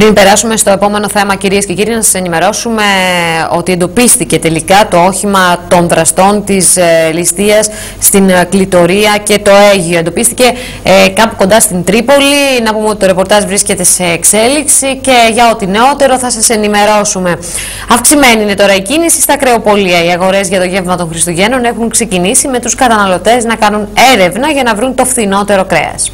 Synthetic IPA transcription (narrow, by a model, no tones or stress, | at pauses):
pɾimpe̞ɾɐsume̞st̪o̞e̞po̞meno̞θe̞mɐciɾiesce̞ciɾiɐnɐsɐse̞nime̞ɾo̞sume̞o̞t̪ie̞nd̪o̞pist̪ice̞t̪e̞likɐt̪o̞o̞çimɐt̪o̞nðɾɐst̪o̞nt̪islist̪iɐs | sːt̪inklit̪o̞ɾiɐce̞t̪o̞eʝio̞end̪o̞pist̪ice̞ | kɐpuko̞nd̪ɐst̪int̪ɾipo̞linɐpumeot̪it̪o̞ɾe̞po̞ɾt̪ɐʒvɾisce̞t̪e̞se̞ːkse̞liksice̞ʝɐo̞t̪ine̞o̞t̪e̞ɾo̞θɐsɐse̞nime̞ɾo̞sume̞ | ɐfksime̞niine̞t̪o̞ɾɐicinisi̥st̪ɐkɾe̞o̞po̞liɐiɐɣo̞ɾe̞zʝɐt̪o̞ʝe̞vmɐt̪o̞nxɾist̪uʝe̞no̞ne̞xuŋkse̞cinisime̞t̪uskɐt̪ɐnɐlo̞t̪e̞znɐkɐnune̞ɾe̞vnɐʝɐnɐvɾunt̪o̞fθino̞t̪e̞ɾo̞kɾe̞̰ɐ̰s